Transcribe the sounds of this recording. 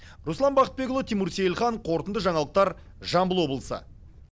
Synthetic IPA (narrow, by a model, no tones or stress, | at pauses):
ɾuslˠɑmbɑqət̪̚be̞ɡʊlˠot̪ʰijmuɾsejlˠχɑɴqʰo̞ɾt̪ənd̪əʒɑɴɑlˠəq̚t̪ɑɾ | ʒɑmbəlˠwo̞blˠəsə̰